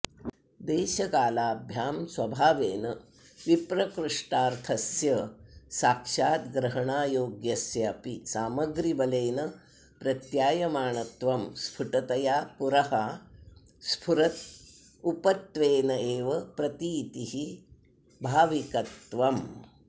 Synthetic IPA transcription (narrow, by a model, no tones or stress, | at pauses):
d̪eːʃɐkaːlaːbʱjaːmsʋɐbʱaːʋeːnɐ | ʋipɾɐkɾuʂʈaːɾt̪ʰɐsjɐsaːkʂaːt̪ɡɾɐɦɐɳaːjoːɡjɐsjɐɐpisaːmɐɡɾibɐleːnɐ | pɾɐt̪jaːjɐmaːɳɐt̪ʋɐmspʰuʈɐt̪ɐjaːpuɾɐɦaː | spʰuɾɐt̪ | upɐt̪ʋeːnɐeːʋɐpɾɐt̪it̪iɦi | bʱaːʋikɐt̪ʋɐm